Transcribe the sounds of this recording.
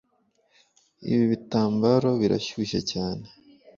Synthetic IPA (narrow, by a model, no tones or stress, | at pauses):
ḭβiβitaːmbaɾo̞βiɾa̰ʃuʃa̰caːne